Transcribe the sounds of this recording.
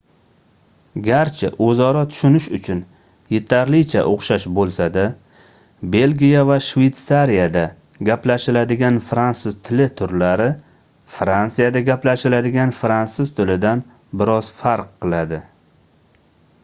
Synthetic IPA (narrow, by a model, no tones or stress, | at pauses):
ɡʲaɾt͡ʃʰɪ̰ʔɵzɒɾɒt̪ʰʊ̥ʃʊnɪʃʊt͡ʃʰʊn | je̞t̪ʰaɾlɪt͡ʃʰa̰ʔoχʃaʃbolˠsad̪a | be̞lɡʲijavaʃve̞jt̪saɾijad̪a | ɡʲaplaʃɪlad̪ɪɡʲanfɾansʊzt̪ʰɪlɪt̪ʰʊɾlaɾɪ | fɾansijad̪aɡʲaplaʃɪlad̪ɪɡʲanfɾansʊzt̪ʰɪlɪd̪an | bɪɾɒz̥faɾqːɨlˠad̪ɪ